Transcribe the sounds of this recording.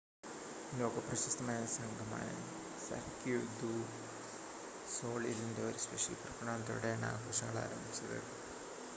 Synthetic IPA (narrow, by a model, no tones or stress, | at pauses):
lo̞ːɡɐprɐɕɐst̪ʰɐmaːjɐsɐŋɡʱɐma̰ːjɐ̰ | sɐ̰rkːud̪u | so̞ːɭilindeoɾuspeʂilprɐkɐɳaːnt̪o̰ːɽeɳa̰ːkoːʂɐŋːɐɭa̰ːɾɐmbʱit͡ɕːɐðɨ̰